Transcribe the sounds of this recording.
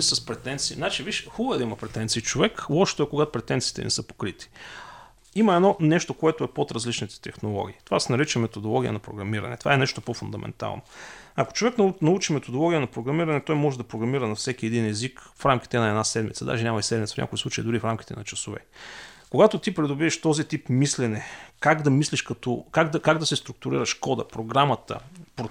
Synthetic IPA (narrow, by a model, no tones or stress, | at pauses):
sɐspɾɛt̪ɛnt̪siiznat͡ʃiviʃxɔbəɛd̪ɐimɐpɾɛt̪ɛnt̪siːt͡ʃovɛkɔʃt̪oɛkoɡat̪opɾɛt̪ɛntsiːt̪ɛ̰nɛ̰sɤpo̥kɾit̪i̥ | imɐɛnɔnɛʃt̪okoɛt̪oɛpot̪ɾɐzlit͡ʃnit̪ɛ̥t̪ɛxnolˠɔ̰ɡ̟ʲiːt̪ovasɛnɐɾit͡ʃɛmɛt̪od̪olˠɔɡʲijə̰nɐpɾo̰ɡɾɐmiɾɐ̰nɛ̰t̪ova̰ɛnɛʃt̪opofund̪ɐmʔɛ̰nt̪a̰lˠnoɐko̥t͡ʃovɛknnɐut͡ʃimɛt̪od̪olˠɔɡʲijənɐpɾoɡɾɐmiɾɐnɛt̪ɔjmɔʒɛd̪ɐpɾoɡɾɐmiɾənɐfsɛkʲiɛd̪inɛzikfɾamkʲi̥t̪ɛnɐɛd̪nasɛd̪mit̪səd̪a̰ʒɛnɲʲamɐisɛd̪mit̪səfnɲʲa̰kojslˠut͡ʃəḭd̪ʊɾifɾamkʲi̥t̪ɛ̰nɐt͡ʃɐsovɛ̰koɡat̪ot̪ipɾɛd̪ʊbiɛʃt̪ɔzit̪ipmislɛnɛkaɡd̪ɐmisliʃkɐt̪ɔkaɡd̪ɐkaɡd̪ɐsɛst̪ɾʊk̚t̪ʊɾḭɾəʃkɔd̪ə̰pɾoɡɾamɐt̪ə̰pɾo